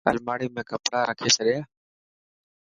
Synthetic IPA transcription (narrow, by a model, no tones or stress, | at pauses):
ə̰lmaːɽiːmẽːkəpɽaːɾəkʰeːsəɗɪjaː